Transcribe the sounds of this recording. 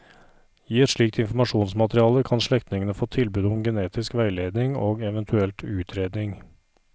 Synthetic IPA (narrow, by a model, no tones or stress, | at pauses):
jiːɛt̪ʂɭiːk̚t̪ɪnfɾmɑʂuːnsmɑt̪ɾɪɑːləkʰɑnʃɭɛkt̪nɪŋənəfoːt̪ʰɪlbʉːd̪ʊmɡɛneːt̪ɪskʋæɪleːd̪nɪŋoːɡɛʋənt̪ʰʉɛlt̪ʰʉːt̪ʰɾeːd̪nɪŋ